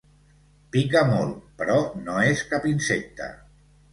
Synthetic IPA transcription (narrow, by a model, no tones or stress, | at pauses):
pikəmolˠpəɾɔnoeskapinsek̚t̪ə̰